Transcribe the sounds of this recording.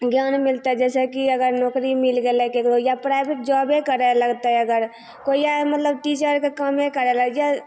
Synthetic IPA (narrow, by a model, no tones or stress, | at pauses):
ɡjaːnmɪlt̪aɦɛd͡ʒɛːsekiɐɡəɾnɔːkɾimɪlɡelekeklojapɾaːɪbeʈ̚d͡ʒɔːbekəɾeləɡt̪aɦɛəɡəɾ | koːijamət̪ləbʈiːt͡ʃəɾkekəmẽkəɾeləɡja